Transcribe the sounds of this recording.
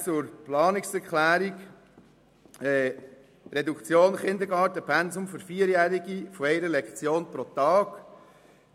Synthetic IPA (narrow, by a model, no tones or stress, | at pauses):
t͡sʊɾplɑːnɪksɛɾklæːɾiɡ | ɛ | ɾɛdukt͡sjoːnχɪnd̪əɾɡɑːɾtəpʰɛnzʊmfʏɾfiːəɾjæːɾiɡifɔɛɪɾəlɛkt͡sjoːnpɾɔt̪ɑːk